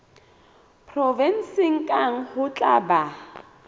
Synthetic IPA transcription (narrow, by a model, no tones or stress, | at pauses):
pʰrɔvɛn̩sɪŋ̩kʼaŋ̩hʊt͡ɬʼaba